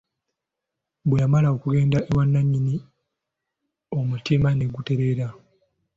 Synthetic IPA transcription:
bweamalao̞kuɡe̞ːndaʔewanːaɲːini | o̞mutimane̞ɡute̞ɾe̞ɾa

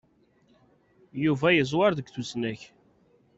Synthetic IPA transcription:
juvæjəzˤwɑɾðəɡθusnæç

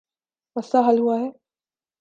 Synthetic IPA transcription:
əsaɦalɦuaɦɛː

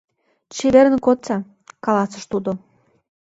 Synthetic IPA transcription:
t͡ɕeβeɾənkot͡sɑ | kɑlɑsəʃt̪ud̪o

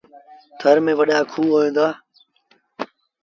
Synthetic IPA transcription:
t̪ʰəɾmẽːʋəɗaːkʰuːɦoːẽːnd̪aː

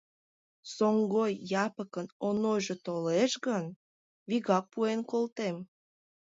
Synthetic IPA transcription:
soŋɡojːɑpəkənonojʒet̪oleʃɡən | βiɣɑk̚puenkolt̪em

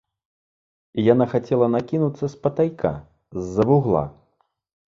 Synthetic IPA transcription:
ijanaxat͡sʲɛlˠɐnakʲinut̪sːɐspɐt̪ajkʰa̰ | zːɐvuɣlˠa̰

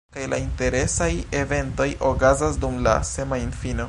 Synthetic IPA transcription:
kajla̰inte̞ɾe̞saje̞ve̞nto̞jʔokazasdumla̰se̞mainfino̞

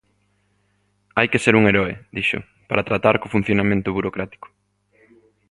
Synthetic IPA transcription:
ajkeseɾuŋeɾɔɪd̪iʃʊ̰ | paɾat̪ɾat̪aɾkofun̟θjonamẽnt̪ʊβuɾokɾat̪i̥kʊ̥

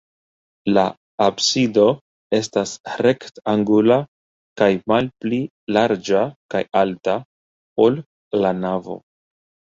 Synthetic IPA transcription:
la | absido̞ | e̞stasɾe̞ktaŋɡula | kajmalpli | laɾd͡ʒaka̰jalta | o̞l | lanavo̞̰

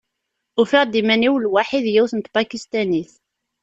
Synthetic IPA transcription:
ʊfɪʁd̪imæniwlwaħiðjæwθənt̪bakist̪æniθ

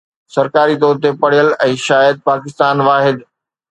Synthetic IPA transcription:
sɐɾkaːɾit̪ɔːɾt̪epɐɽ̤ijəlɛ̃ːʃaːjəd̪̚paːkɪst̪aːnʋaːɦɪd̪

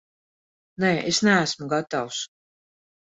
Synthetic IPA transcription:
nɛːʔesnææsmuɡat̪aws

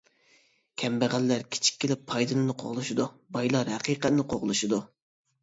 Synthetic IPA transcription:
kʲʰɛmbæʁælːæɾkʲʰe̥t͡ʃʰi̥k̚ʲʰːelɪpʰːɑjd̪ɨlˠɨnɨqʰo̰ʁlˠuʃid̪u | bɑjlˠɑɾhæqʰiːqɛt̪nɨqʰoʁlˠuʃid̪u

